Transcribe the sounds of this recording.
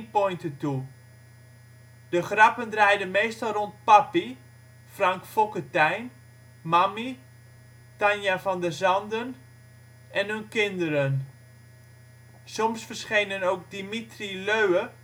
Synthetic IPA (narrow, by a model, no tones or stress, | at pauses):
pojntətu | d̥əχrapəndrɛjdənmeːstɔlˠront̚papi | fraŋkfokətɛjn | mami | tanjafɑndəzɑndən | ʔɛnɦɵnkɪndəɾən | sɔmsfərsχejnənowk̚dimitriløɥə